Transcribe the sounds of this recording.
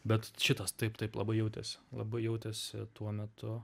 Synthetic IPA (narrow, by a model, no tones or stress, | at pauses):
bʲɛt̪ʃʲɪt̪ɐst̪ɐɪpt̪ɐɪplˠɐ̰bɐɪjɛʊt̪ʲḛsʲɪlˠɐ̰bɐɪjɛʊt̪ʲesʲɪ̰t̪uɔmʲɛt̪ʰʊ